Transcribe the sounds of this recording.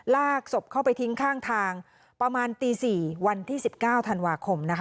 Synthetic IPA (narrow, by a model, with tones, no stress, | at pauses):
laː˥˩k̚so˨˩p̚kʰa˥˩wpa˧jt̪ʰi˦˥ŋkʰaː˥˩ŋt̪ʰaː˧ŋ | pɾa˧maː˧nt̪iː˧siː˨˩wa˧nt̪ʰiː˥˩si˨˩p̚kaː˥˩wt̪ʰa˧nwaː˧kʰo˧mna˦˥kʰ